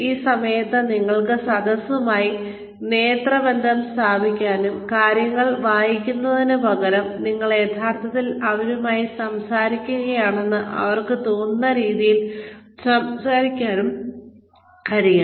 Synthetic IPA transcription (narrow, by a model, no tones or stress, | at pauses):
iːsɐmɐjɐt̪ːɨniŋːɐɭkɨsɐd̪ɐsumaːji | ne̞ːt̪rɐbend̪ʱɐmst̪ʰaːbʱikʲːaːnumkaːɾjɐŋːɐɭʋaːjikʲːunːɐðinɨbʱɐɣɐɾɐmniŋːɐɭeːt̪ʰaːrt̪ʰɐt̪ːilɐʋɐɾumaːjisɐmsaːɾikʲːuɣɐjaːɳe̞nːɨʔɐ̰ʋɐrkɨt̪oːnːɐɾiːðijilsɐmsaːɾikʲːaːnum | ɐɾija